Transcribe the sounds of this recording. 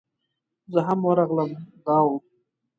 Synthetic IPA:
zəɦamwəɾɑɣləmd̪ɑːwu

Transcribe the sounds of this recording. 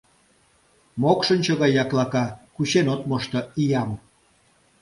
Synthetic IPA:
mokʃənt͡ɕoɣɑjːɑklɑkɑkuɕenot̪moʃt̪ə̆ijɑm

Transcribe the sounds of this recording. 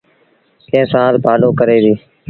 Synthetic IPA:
kẽːsãːzbʱaːloːkəɾeːʋiː

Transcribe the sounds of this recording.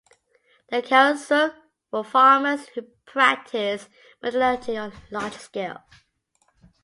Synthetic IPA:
ðəkʰãʊ̃nsəlˠ | wəfɑːməz̥hʉpʰɹ̥æk̚tʰɪs | mədlɪtʰiə̃nlɑːd͡ʒskeɪlˠ

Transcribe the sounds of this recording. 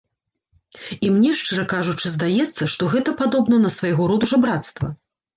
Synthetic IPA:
imnʲɛʂt͡ʂɨɾɐkaʐut͡ʂɨzd̪ajɛt̪sːɐʂt̪ɔɣɛt̪ɐpad̪ɔbnɐnɐsvajɣɔɾɔd̪uʐɐbɾat̪st̪vɐ̰

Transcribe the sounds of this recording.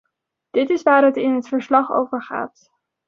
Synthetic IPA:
d̥ɪtɪsʋaːɹɦətɪnɦətfəɹslɑχo̰wvəɹχa̰ːt

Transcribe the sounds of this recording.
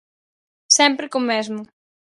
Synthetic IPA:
sɛmpɾɪkomezmʊ

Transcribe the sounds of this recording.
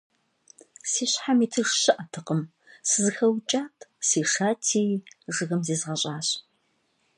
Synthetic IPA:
siːɕħamiːtʰɨʂɕɨʔɐtʰɨqəm | sɨzɨxɐwt͡ʃʼaːtʰsiːʂaːtʰiːʐɨɣɐmziːzʁɐɕʼaːɕ

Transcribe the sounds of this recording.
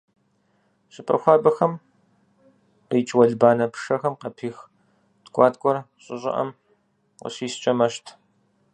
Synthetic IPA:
ɕʼɪpʼɐ̰xʷɑːbɐxɐm | ijt͡ʃʼwɐɮbaːnɐpʰʂɐxɐmqɐpʰiːx | dkʷʼɑːtkʷʼɔrɕʼɪɕʼɪ̰ʔɐ̰m | qɐ̰ɕiːst͡ʃʼɐmɐʃtʰ

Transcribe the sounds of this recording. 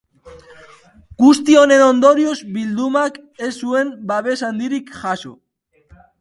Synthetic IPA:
ɡ̥ust̪io̞ne̞no̞nd̪o̞ɾiozbild̪umak | e̞sːue̞mbaβe̞sand̪iɾikʝaso̰

